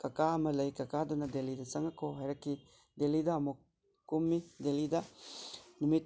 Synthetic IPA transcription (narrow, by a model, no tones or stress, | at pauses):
kɐkaɐmɐlɐjkɐkad̪ɔnɐd̪elid̪ɐsɐŋɐkoɦɐjɾɐkːi | d̪elidaːmuk̚ | kumːidelid̪a | numit̪̚